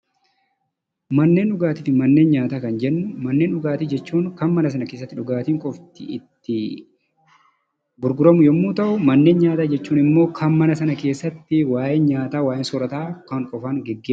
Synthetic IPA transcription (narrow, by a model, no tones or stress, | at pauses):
mɐnːe̞ːnᶑʊɡaːt̪iːfɪmɐnːe̞ːnɲaːt̪akɐnd͡ʒɛnːʊmɐnːe̞ːnɗʊɡaːt̪iːd͡ʒɛt͡ʃːuːŋkɐnmɐnɐs̬ɐnɐke̞ːs̬ːɐt̪ːɪᶑʊɡaːt̪iːŋkʼɔft̪ɪɪ̰t̪ːɪ | bʊɾɡʊɾɐmʊjɔmːuːt̪ɐʔʊmɐnːe̞ːnɲaːt̪aːd͡ʒɛt͡ʃːuːnɪmːoːkʰɐnmɐnɐsɐnɐke̞ːsːɐt̪ːɪwaːjenɲaːt̪aːwaːʔensɔɾɐt̪aːkɐŋkʼɔfɐnɡɛɡːeː